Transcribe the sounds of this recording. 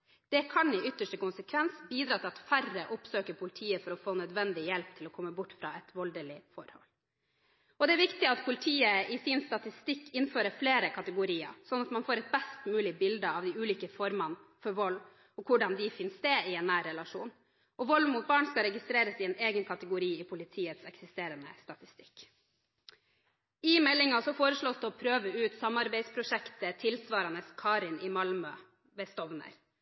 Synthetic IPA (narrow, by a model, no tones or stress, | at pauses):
d̪̥ɛkʰɑnɪʏt̪ːəʂʈəkʊnsəkʰʋɛnsbiːd̪ɾɑːt̪ʰɪlɑt̪færəʔʊpsøːkəɾpʰʊlɪt̪ʰiːəfɔɾɔfoːnœd̪ʋɛnd̪ɪjɛlp̚t̪ʰɪlɔkʰɔmːəbʊʈːfɾɑɛt̪ʋɔld̪əlɪfɔɾhɔ̰lː | ɔd̪ɛæɾʋɪkt̪ɪɑt̪pʰʊlɪt̪ʰiːəɪsɪnst̪ɑt̪ɪst̪ɪkːɪnføːɾəfleːɾəkʰɑt̪əɡʊɾiːə̰ɾsɔnɑt̪mɑnfoːɾɛt̪̚bɛst̪mʉːlɪbɪld̪əɑʋd̪ɪʉːliːkəfɔɾmɑnfɔɾʋɔlː | ɔkʰʊɖɑnd̪ɪfɪnst̪eːɪɛːnːæːɾɛlɑʂuːn | ʔɔʋɔlʋmuːt̪̚bɑːɳskɑɾɛɡɪst̪ɾeːɾəsɪɛːneːɡənkʰɑt̪əɡʊɾiːɪpʰʊlɪt̪ʰiːət̪sɛksɪst̪eːɾənə̰st̪ɑt̪ɪ̥st̪ɪ̥kː | ɪmɛlːɪŋɑsɔfoːɾəʂɭoːsd̪ɛɔpʰɾøːʋəʉːt̪sɑmɑɾbæɪspʰɾʊʂɛkt̪ət̪ʰɪlsʋɑːɾɑnəskʰɑːɾɪnʔɪmɑlmœ | ʋɛst̪ɔʋnə̰ɾ